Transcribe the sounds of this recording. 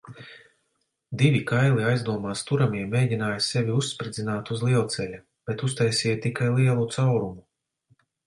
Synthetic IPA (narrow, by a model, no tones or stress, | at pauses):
d̪ivʲikajlˠiajzd̪uɔmaːst̪uɾamiɛmːeːdʲinaːjsɛvʲiusːpɾid̪zʲinaːt̪uzlˠiɛlˠt̪sɛlʲa | b̥ɛt̪us̬t̪ajsiɛjt̪ikajlˠiɛlˠut̪sawɾumu